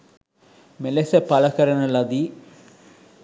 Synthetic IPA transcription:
melesɐpɐlɐkɐɾɐnɐlɐd̪i

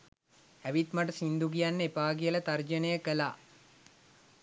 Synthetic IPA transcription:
æʋit̪maʈəsind̪uɡijanːəepaːɡijələt̪ɐrd͡ʒənejəkəlaː

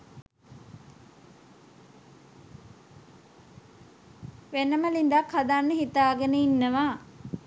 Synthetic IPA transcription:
ʋenəməlind̪akhad̪anːəɦit̪aːɡənəinːəʋaː

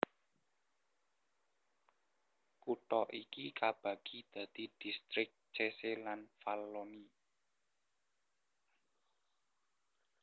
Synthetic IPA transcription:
kuʈɔʔikikab̥a̤ɡ̥id̪̥a̤d̪̥i̤d̪̥i̤st̪ɾɪk̚t͡ʃeselanfalːoni

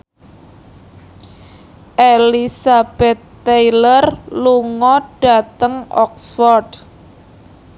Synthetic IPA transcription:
ʔelisab̥ɛt̪ː | ejlərluŋɔɖ̥a̤t̪əŋʔɔ̰ksfɔrɖ

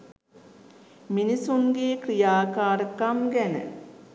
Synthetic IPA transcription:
minisuŋɡeːkrijaːkaːɾəkamɡænə̰

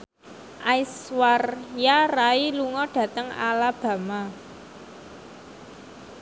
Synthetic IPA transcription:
ʔajswarjarailuŋɔɖ̥ä̤t̪əŋa̰lab̥ä̤ma

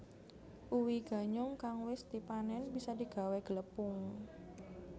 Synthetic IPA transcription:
ʔuwiɡ̥a̤ɲʊŋkaŋwɪst̪ipanɛnb̥isadiɡ̥a̤wɛɡ̥ələpʊŋ

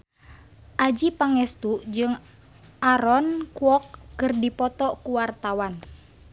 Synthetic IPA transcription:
ʔad͡ʒipaŋɛst̪uʔd͡ʒɨŋ | ʔaɾɔnkuɔkːɨrdipɔt̪ɔkuwart̪awan

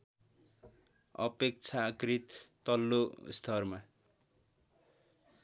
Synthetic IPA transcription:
ʌ̰pek̚t͡sʰakrit̪ː | ʌlːo̰st̪ʰʌrma

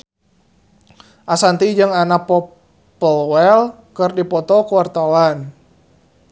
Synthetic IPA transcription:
ʔasant̪id͡ʒɨŋanapɔp | əlwɛl | kərdipɔt̪ɔkəwart̪awan

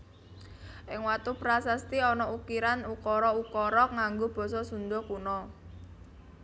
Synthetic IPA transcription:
ʔɪŋwat̪upɾasast̪iɔnɔukiɾanukɔɾɔukɔɾɔŋaŋɡob̥ɔ̤sɔsund̪ɔkunɔ

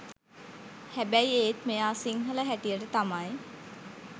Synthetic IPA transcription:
hæbæjeːt̪mejaːsiŋɦələɦæʈijəʈət̪amaj

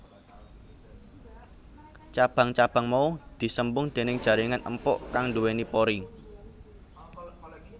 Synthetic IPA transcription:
t͡ʃab̥ä̤ŋt͡ʃab̥äŋmaud̪̥i̤səmbʊŋd̪̥e̤nɪŋd̥ʒ̥ä̤ɾɪŋanʔəmpɔ̰ʔkaŋnduwenipoɾi

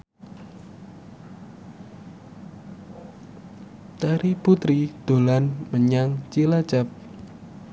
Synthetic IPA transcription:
t̪aɾiput̪ɾid̪̥o̤lanməɲaŋt͡ʃilḁt͡ʃap̚

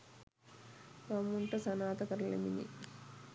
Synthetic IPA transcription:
kɐmːuɳʈɐsɐnaːt̪ɐkɐɾlḛmḭnḭ

